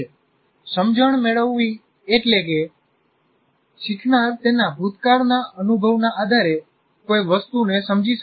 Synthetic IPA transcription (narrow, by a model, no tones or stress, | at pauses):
səmd͡ʒəɳ̃meɭəʋːi | eʈleke | t͡ʃiʈʰnaɾt̪enabʱut̪kaɾnaənubʱəʋnaʔad̪ʱaɾe | koiʋəst̪unesəmd͡ʒiʃə